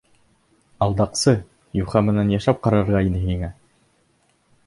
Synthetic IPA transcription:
ɑlˠd̪ɑqsɤ | juχɑmɘ̆nænjɑʃlæp̚qɑɾɑɾʁɑinɘɦiŋæ

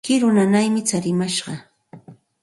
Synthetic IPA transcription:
kɪɾʊnanajmɪt͡saɾɪmaʃɢɑ

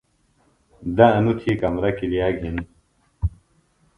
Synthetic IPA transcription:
d̪ɐɐnut̪ʰikɐmɾɐkilijaːɡʱin

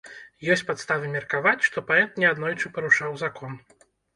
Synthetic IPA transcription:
jɔsʲt͡sʲpat̪st̪avɨmʲɛrkavat͡sʲʂt̪ɔpaɛt̪̚nʲɛad̪nɔjt͡ʂɨpɐɾuʂawzakɔn

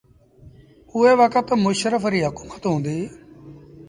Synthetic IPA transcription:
ʊeːʋəkət̪mʊʃɾəpʰɾiːɦəkuːmət̪ɦõːnd̪iː

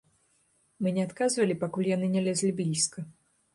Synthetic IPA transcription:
mɨnʲɛat̪kazvɐlʲipakulʲjanɨnʲɛlʲɛzʲlʲibʲlʲiskɐ

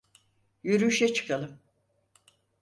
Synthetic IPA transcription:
jyɾyʃɛt͡ʃʰɯ̥kʰalˠɯm

